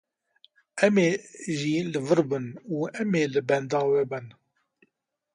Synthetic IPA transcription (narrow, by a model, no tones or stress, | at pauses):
ʔæmeʒiləvəɾbənæmelbænd̪ɑwæbæn